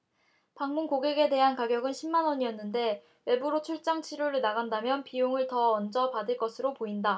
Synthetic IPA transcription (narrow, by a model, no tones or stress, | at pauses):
paŋmunkoɡe̞ɡe̞de̞ɦankaɡjʌɡɯnɕʰimːanwʌɲiʌnːɯnde̞ | we̞buɾot͡ɕʰuɭt͡ɕ͈aŋt͡ɕʰiɾjoɾɯnaɡandamjʌnpijoŋɯɭtʌʌnd͡ʑʌpadɯɭk͈ʌsʰɯɾopoinda